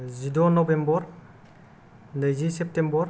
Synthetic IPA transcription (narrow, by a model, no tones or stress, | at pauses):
zidɔnɔbembɔɾ | nəjzisep̚tembɔɾ